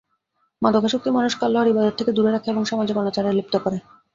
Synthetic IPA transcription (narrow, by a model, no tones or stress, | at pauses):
mad̪ʱokaʃok̚t̪imanuʃkalːoɦɔɾibad̪ot̪ʰeked̪uɾeɾakʰeeboŋʃɔmad͡ʑeɡɔnot͡ɕaɾeɾlip̚t̪okoɾe